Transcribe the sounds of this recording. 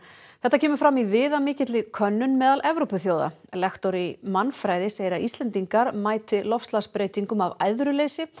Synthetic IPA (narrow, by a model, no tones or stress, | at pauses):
θɛht̪acʰɛːmʏɾfɾamːivɪːðamɪːcɪt̪lɪkʰœnːʏnmɛːðalʔɛvɾopʏθjoːwða̰lɛxt̪ɔɾimanfɾaːjðɪsejɾaist̪lɛnt̪iŋkaɾmaːjt̪ɪlɔfst̪laspɾeːjt̪iŋkʏmavaːjðɾʏleːjsɪ